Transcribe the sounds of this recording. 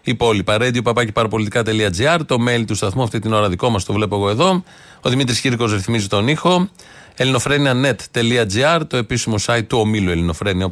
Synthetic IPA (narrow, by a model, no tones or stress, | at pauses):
ipo̞lipɐɾe̞d̪iopɐpɐcepɐɾɐpo̞lit̪ikɐt̪e̞liɐd͡ziɐɾt̪o̞me̞lit̪ust̪ɐθmuɐft̪it̪ino̞ɾɐðiko̞mɐst̪ovle̞po̞eɣo̞e̞ðo̞ | oðimit̪ɾisciɾko̞zɾeθmizit̪o̞nixo̞ | e̞lino̞fɾe̞niɐne̞t̪ːe̞liɐd͡ziɐɾt̪o̞e̞pisimo̞sɐjt̪ːuomilue̞lino̞fɾe̞niɐ